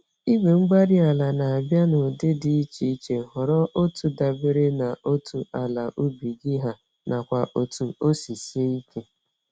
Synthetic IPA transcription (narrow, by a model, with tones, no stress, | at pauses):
i˦we˨ŋ͡m̩˦ɡ͡ba˦ɾi˦a˨la˨na˨a˨bja˦no˨de˦di˨i˦t͡ʃi˨i˦t͡ʃe˨ɦɔ˨ɾɔ˦ʔo˦tu˨da˨be˦ɾe˦na˨ʔo˦tʰu˨a˨la˨ʔu˦bi˨ɡi˦ɦa˨ | na˨kʷa˨ʔo˨tu˨o˦si˨si˦e˦i˦ke˦